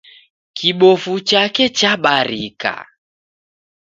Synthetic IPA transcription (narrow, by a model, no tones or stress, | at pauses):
kiɓɔfut͡ʃakɛt͡ʃaɓaɾika̰